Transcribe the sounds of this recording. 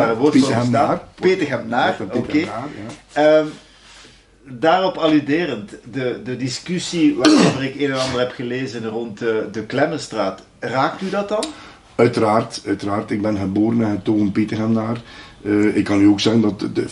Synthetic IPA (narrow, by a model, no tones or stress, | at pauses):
ʋɔrtːapeːtəxɛmnaːroke | ə | daːrɔpɑlydeːrəntdədədiskysiʋaːroːvəɾɪkeːnɛnɑndərɦɛpxəleːzənrɔntdəklɛmənstraːt | raːk̚tydɑtɑn | œɥtəɾaːrtœɥtəɾaːrtɪɡ̚bɛnɣəboːɾənaɦətːoːɣənpeːtəxɛmnaːrəɪkːɑnyoːksɛɣəndɑt